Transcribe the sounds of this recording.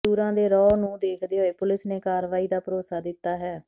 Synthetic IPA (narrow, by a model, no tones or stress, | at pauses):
uːɾãːd̪eːɾɔːnũːd̪eːkʰd̪eːɦoːeːpʊlɪsneːkaːɾʋaːiːd̪aːpəɾoːsaːd̪ɪt̪ːaːɦɛː